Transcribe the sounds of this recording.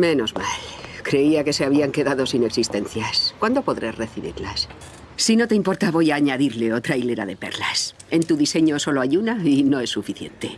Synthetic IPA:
me̞no̞zma̰lkɾe̞iake̞se̞aβiaŋke̞ðaðo̞sine̞ksist̪e̞nθjaskwand̪o̞po̞ðɾereθiβḭɾlas | sino̞t̪e̞impo̞ɾt̪aβo̞jaːɲaðiɾle̞o̞t̪ɾajle̞ɾa̰ðe̞pḛɾlas | e̞nt̪uðise̞ɲoso̞loaʎunaino̞e̞sːufiθje̞̰nt̪e̞

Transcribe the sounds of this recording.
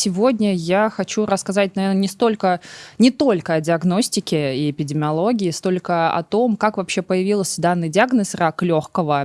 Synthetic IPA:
sʲɪvo̞dʲnʲəjaxɐt͡ɕuɾəskɐzat̚ʲnɐvʲernənʲɪst̪o̞lʲkənʲɪt̪o̞lʲkəɐdʲɪɐɡno̞sʲtʲɪkʲɪiɪpʲɪdʲɪmʲɪɐlˠo̞ɡʲɪɪst̪o̞lʲkəɐ̰t̪o̞mkakvɐpɕːepəjɪvʲilˠsʲd̪anːɨjdʲɪaɡnəsraklʲo̞xkəvə

